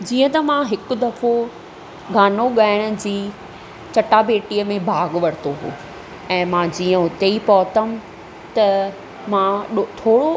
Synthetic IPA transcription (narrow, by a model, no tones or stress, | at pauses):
d͡ʑiːə̃t̪ɐmãɦɪkʊd̪ɐfo | ɡʱaːnoɠaːɪɽ̃ʊ̆d͡ʑiː | t͡ɕɐʈabeːʈiːəmẽbʱaːɡʋɐɽ̤t̪oɦṵː | ɛ̃ːmãd͡ʑiːə̃ɦʊt̪eipɔːt̪əm | t̪ɐ | mãɗot̪ʰoːɽo